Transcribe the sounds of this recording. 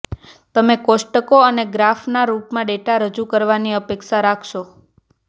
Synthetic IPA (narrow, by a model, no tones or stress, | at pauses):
t̪əmekosʈəkoəneɡɾafnaɾuʈmãɖeʈaɾəd͡ʒukəɾʋaniəpekʃaɾakʰʃo